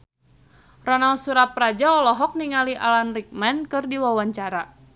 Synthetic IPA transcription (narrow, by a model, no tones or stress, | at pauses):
rɔnalsuɾat̪̚pɾad͡ʒaɔlɔɦɔk̚niŋaliʔa̰lanrik̚mɛnkɨrdiwawaɲt͡ʃaɾa